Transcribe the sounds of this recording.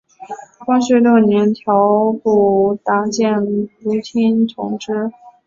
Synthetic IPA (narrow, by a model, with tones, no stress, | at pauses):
kwɑ˥ŋɕɛ˧˥ljo˥˩ʊnjɛ˧˥nt̪ʰjɑ˧˥ʊpu˥˩t̪a˧˥t͡ɕjɛ˥˩nlu˧˥t̪ʰi˥nʈ͡ʂʰʊ˧˥ŋʈ͡ʂɻ̩˥